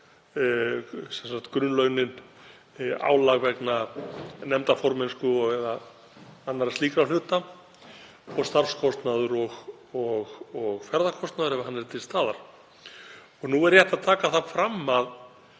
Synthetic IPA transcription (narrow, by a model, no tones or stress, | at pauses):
sɛnsaxt̪kɾʏnlœɥnɪn | a̰ːwlaɣvɛknanɛmt̪afɔɾmɪnskʏɔɣvɛːða | anːaɾast̪iːkɾawlʏht̪a | ɔɣst̪aɾfskʰɔst̪naðʏɾɔɣ | ɔɣɔɣfɛɾðakʰɔst̪naðʏɾɛvahanːɛɾt̪ʰɪlst̪aːðaɾ̥ | ɔɣnuɛɾjɛht̪aðt̪ʰaːkaθafɾamːað